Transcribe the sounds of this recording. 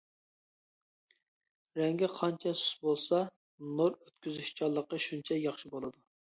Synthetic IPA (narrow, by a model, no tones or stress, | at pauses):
ɾɛŋɡʲɪqʰɑnt͡ʃʰɛsy̥sbolˠsɑ | noɾøt̪kʲyzyʃt͡ʃʰɑlˠːəqːəʃunt͡ʃʰɛjɑχʃibolˠɨd̪u